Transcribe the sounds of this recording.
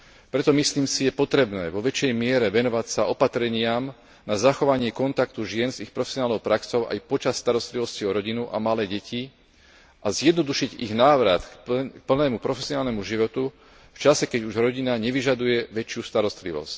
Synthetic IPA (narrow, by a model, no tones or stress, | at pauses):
pɾɛt̪ɔmisliːmsijɛpɔt̪ɾɛbnɛːʋɔʋɛt͡ʃjɛjmɪɛɾɛʋɛnɔʋacsaɔpat̪ɾɛɲɪam | nazaxɔʋaɲɪɛkɔnt̪akt̪uʒɪɛnzixpɾɔfɛsiɔnaːlnɔʊpɾaksɔʊʔa̰jpɔt͡ʃasːt̪aɾɔst̪liʋɔsciɔɾɔɟinuʔa̰malɛːɟɛci | ʔazjɛd̪nɔd̪uʃiɟiɣnaːʋɾat̪pl̩nɛːmupɾɔfɛsɪiɔnaːlnɛmuʒiʋɔt̪u | ft͡ʃasɛkɛɟuʒɾɔɟinaɲɛʋiʒad̪ujɛʋɛt͡ʃɪust̪aɾɔst̪liʋɔ̰sc